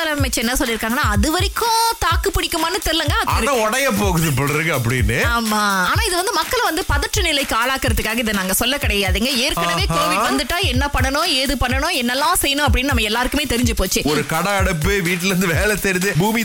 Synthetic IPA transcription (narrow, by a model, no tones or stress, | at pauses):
ɐlɐmɛt͡ʃɛnːɐsɔlːɪɾɯkːaːŋɡɐnːaːɐðɯʋɐɾɪkːʊ̃t̪aːkːɯpːɪɽɪkːɯmaːnɯt̪ɛɾlɐŋɡɐɐðɐnãːɔɽɐjɐpoːɣɯðɯpoɽɾɯɡɐɐp̬ːɐɽɪ̰nːɯaːmaːaːnaːɪðɯʋɐnd̪ɯmɐkːɐɭʋɐnd̪ɯpɐðɐʈːrɯnɪlɐɪkːɯaːlaːkɪɾɐðɯkːaːɣɐɪðɯnaːŋɡɐsɔlːɐkːɪɽɐjaːðɯːŋɡɐeːɾkɐɐʋeːkoːʋɪʈʋɐnd̪ɯʈːaːɛnːɐpɐɳːɐɳʊ̃eːðɯpɐɳːɐɳʊ̃ɛnːɐlːãːsɛjːɐnʊ̃ɐp̬ːɐɽɪnːnɐmːɐɛlːaːɾɯkːɯmeːt̪ɛɾɪɲd͡ʒɯpoːt͡ʃːɯɔɾɯkɐɽɐɐɽɐpːɯʋiːʈ̬ːɪlɾɯnd̪ɯʋeːlɛt̪ɛɾɪnðɯbuːmi